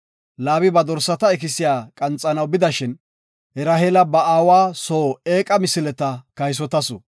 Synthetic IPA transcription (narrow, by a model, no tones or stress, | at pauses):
laːβɪbɐd̪ɔɾsɐt̪ɐɛk̬ɪsɪjaːkʼɐnt͡sʼːɐnɐwbɪd̪ɐʃɪn | hɛɾɐhelɐbɐaːwaːsoːeːkʼɐmɪsɪlɛt̪ɐkɐjs̬ɔt̪ɐsɔ̰